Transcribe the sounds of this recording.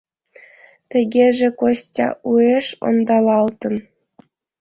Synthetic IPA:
t̪ʲɘ̆ɡʲeʐĕkosʲtʲɑ̰ʔueʂo̰nd̪ɑlˠɑlˠt̪ɤ̆n

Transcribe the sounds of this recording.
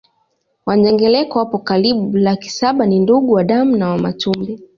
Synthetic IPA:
waɲɛŋɡɛlɛkɔwapɔkaɾiɓuulaki̥saɓaninduɠuwaɗamunawamatumbɛ

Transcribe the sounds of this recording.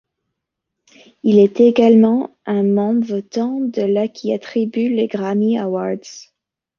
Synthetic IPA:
ilɛt̪eɡalmɑ̃ | ɛ̃mɑ̃bvɔt̪ɑ̃d̪əlakʲʰiat̪χibyleɡʁamiawaʁd̪z̥

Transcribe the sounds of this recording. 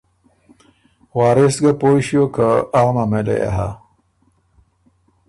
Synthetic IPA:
waːɾesɡapojɕjokəːɣmamelḛja̰ɦa

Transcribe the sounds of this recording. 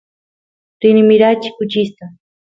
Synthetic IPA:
ɾɪnɪmɪɾat͡ʃi̥kʊt͡ʃist̪a

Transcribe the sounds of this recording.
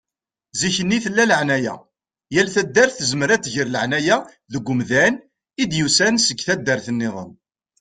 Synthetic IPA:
ziçənːiθəlːæləʕnæjæ̰ | jælθæd̪ːəɾθəzməɾæt͡sːʝəɾləʕnæjæ | ðəɡʷːʊmðæn | id̪jusænsəɡθæd̪ːəɾθənːɪðˤə̰n

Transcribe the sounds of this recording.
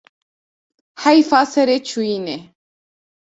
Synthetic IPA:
hajfasəɾet͡ʃuine

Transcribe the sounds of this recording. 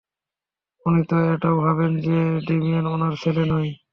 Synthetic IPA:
unit̪oeʈaobʱabend͡ʑeɖimienonaɾfʰelenɔj

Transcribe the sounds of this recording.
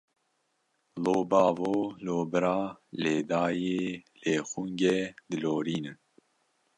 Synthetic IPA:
loːbɑːvoːloːbɨɾɑːleːd̪ɑːjeːleːxuŋɡɛd̪ɨloːɾiːnɨn

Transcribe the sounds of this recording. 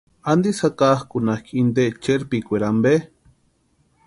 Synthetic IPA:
and̪isakahkunahkʰind̪et͡ʃeɾpikʷeɾambe

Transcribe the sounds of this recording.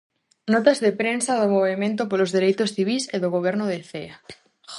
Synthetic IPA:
nɔt̪azðepɾensaðomoβemẽnt̪̬opolozðeɾejt̪osθiβ̞iseðoɣoβ̞eɾnoðeθea

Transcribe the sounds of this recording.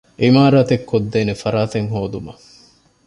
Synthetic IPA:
ʔimaːɾaːt̪ekːod̪ːeːnefɐɾaːt̪eŋɦoːd̪umɐ

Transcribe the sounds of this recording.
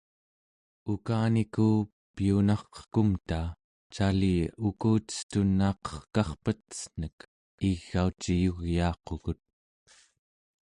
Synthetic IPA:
ukaːnikuː | pijunɑχqə̥kumt̪aː | t͡ʃaliukuːt̪ə̥st̪unːɑːqʌ̥χkɑχpət̪ə̥sn̥ək | iɣːaut͡ʃijuɣjɑːqoɣut̪̚

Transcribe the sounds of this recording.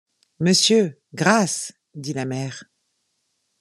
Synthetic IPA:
məsjø | ɡʁas | d̪ilamɛːʁ

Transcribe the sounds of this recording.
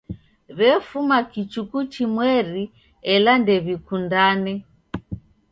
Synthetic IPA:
βɛfumakit͡ʃukut͡ʃimwɛɾi | ɛlandɛβikundanɛ

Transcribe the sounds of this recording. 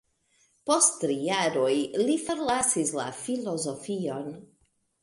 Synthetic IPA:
postːɾijaɾo̞jlifoɾlasisla̰filo̞zo̞fio̞n

